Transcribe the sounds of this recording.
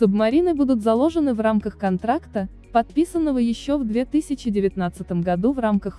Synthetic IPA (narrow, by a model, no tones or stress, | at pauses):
sʊbmɐɾʲinɨbud̪ʊt̪zɐlˠo̞ʐənɨvramkəxkɐnt̪ɾakt̪ə | pɐt̪̚pʲisənːəvəjɪɕːovd̪vʲe̞t̪ɨsʲɪt͡ɕɪdʲɪvʲɪt̪nat̪sɨt̪əmɡɐd̪uvramkəx